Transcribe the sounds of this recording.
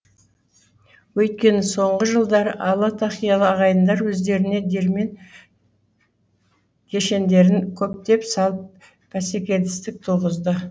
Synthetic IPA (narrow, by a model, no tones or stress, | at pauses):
wɵjt̪̚kʲe̞nɪso̞ɴʁəʒəlˠd̪ɑɾəʔɑlˠɑt̪ʰɑχijɑlˠəɑʁɑjənd̪ɑɾwɵzd̪e̞ɾɪne̞d̪eɾme̞n | kʲʰe̞ʃe̞nd̪e̞ɾɪŋkʲʰɵp̚t̪e̞psɑlˠəp̚ | pʰːæsekʲe̞ld̪ɪ̥st̪ɪk̚t̪ʰuʁəzd̪ə